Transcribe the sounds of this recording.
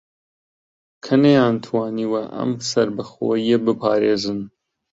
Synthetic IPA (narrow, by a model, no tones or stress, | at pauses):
kʰɐnejaːnt̪ʰwɑːniwɐʔɐ̰msɐɾbɐxoːjebɨpʰɑːɾeːzɨn